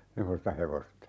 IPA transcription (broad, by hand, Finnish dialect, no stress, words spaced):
semːostɑ heʋostɑ